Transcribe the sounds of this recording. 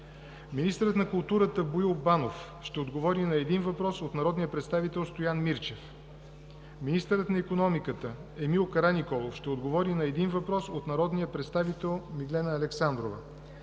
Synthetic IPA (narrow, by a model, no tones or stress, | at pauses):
minist̪əɾət̪nɐkʊlˠt̪uɾət̪əbʊilˠbanof | ʃt̪ɛod̪ɡovɔɾinɐɛd̪invɐpɾɔsot̪nɐɾɔd̪nijəpɾɛt̪st̪avit̪ɛlˠst̪ojanmiɾt͡ʃɛf | minist̪əɾət̪nɐikonɔmikət̪əɛmilˠkɐɾanʲikɔlˠofʃt̪ɛod̪ɡovɔɾinɐɛd̪invɐpɾɔsot̪nɐɾɔd̪nijəpɾɛt̪st̪avit̪ɛlˠmiɡ̪lɛnəːlɛksand̪ɾovə